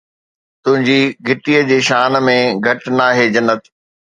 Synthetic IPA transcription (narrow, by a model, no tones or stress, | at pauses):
t̪ʊ̃ɦɪ̃ɲd͡ʑiːɡʱɪʈiːəd͡ʑeːʃaːnmẽɡʱɐʈnaːɦeːd͡ʑɐnːət̪